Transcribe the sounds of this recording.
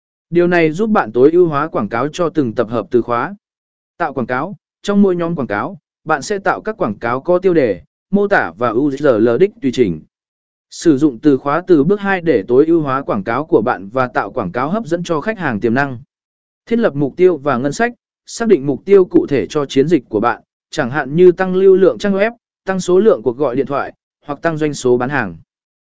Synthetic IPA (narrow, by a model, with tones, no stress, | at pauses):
ɗi˨˩əwna˨˩jzu˦˥p̚ɓa̰ː˧˨nt̪o˨˦jʔi˧wɦwaː˨˦kwaː˧˩ŋkaː˨˦wt͡ɕɔ˧t̪ɨ˨˩ŋt̪ə˨˩p̚ɦəː˨˩p̚t̪ɨ˨˩xwaː˨˦ | t̪a̰ː˧˨wkwaː˧˩kaː˨˦w | t͡ɕɔ˧wŋ͡mmu˧əjɲɔ˨˦mkwaː˧˩ŋkaː˨˦w | ɓa̰ː˧˨nsɛ̰˧˥t̪a̰ː˧˨wkaː˦˥kːwaː˧˩kaː˨˦wkɔ˨˧˦t̪i˧əwɗe˧˩ | mo˧t̪aː˧˩vaː˨˩ʔu˧zḭ˧˥zəː˨˩ləː˨˩ɗï˦˥k̟̚t̪wi˨˧˨t͡ɕï˧˩ŋ̟ | sɨ˧˩zʊ̰˧˨ŋ͡mt̪ɨ˨˩xwaː˨˦t̪ɨ˨˩ɓɨ˦˥ək̚ɦaː˧jɗe˧˩t̪o˨˦jʔi˧əwɦwaː˨˦kwaː˧˩ŋkaː˨˦wku˧˩əɓa̰ː˧˨nvaː˨˩t̪a̰ː˧˨wkwaː˧˩ŋkaː˨˦wɦəː˦˥p̚zə̰˧˥nt͡ɕɔ˧xa˦˥k̚haː˨˩ŋt̪i˨˩əna˧ŋ | t̪ʰi˦˥t̚lə˨˩p̚m˨˩k͡p̚t̪i˧əwvaː˨˩ŋə˧nsa˦˥k̚ | saː˦˥ɗḭ̈˧˨ŋ̟mʊ˨˩k͡p̚t̪i˧əwkṵ˧˨t̪ʰe˧˩t͡ɕɔ˧t͡ɕi˨˦ənzi˨˩k̟̚ʲku˧˩əɓa̰ː˧˨n | t͡ɕa˧˩ŋɦa̰ː˧˨nɲɨ˧t̪a˧ŋli˧əwlɨ̰˧˨əŋt͡ɕaː˦˧˥ŋwɛ˦˥p̚ | t̪a˧ŋso˨˦lɨ̰˧˨əŋku˧˩ək̚ɣɔ̰˧˨jɗḭ˧˨nt̪ʰwa̰ː˧˨j | hwa˨˩k̚t̪a˧ŋzwa˧jŋso˨˦ɓaː˨˦nhaː˨˩ŋ